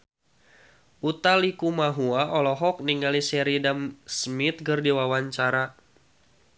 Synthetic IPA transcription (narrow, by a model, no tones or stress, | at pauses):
ut̪alikumaɦuaʔɔlɔɦɔk̚niŋɡalisɛɾidamsmit̪̚ɡɨrdiwawaɲt͡ʃaɾa